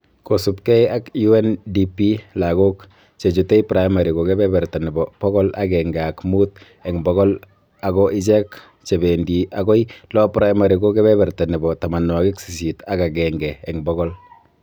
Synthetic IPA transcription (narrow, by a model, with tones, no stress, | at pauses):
ko˨supkɛ˦ja˦kju˦ɛ˦ndipi˦la˨ɡo˦k | t͡ʃe˨t͡ʃu˨te˦ipɾa˦jma˨ɾi˨ko˨kɛ˦bɛ˦bɛ˨ɾta˨nɛ˨bɔ˨pɔ˦ɡɔ˦la˦ɡɛŋɡakmu˦t̚ | ɛ˨ŋbɔ˦ɣɔ˦l | aɡɔ˦ʔɪ˦t͡ʃɛ˦k | t͡ʃe˨βe˨ndi˨ʔaɡɔ˦ilɔ˦pɾa˦jma˨ɾi˨ko˦kɛ˦bɛ˦βɛ˨rta˨nɛ˨bɔ˨tama˨nwa˨ɡi˦ksi˨si˨ta˦ka˨ɡɛŋɡɛː˨ŋbɔɣɔl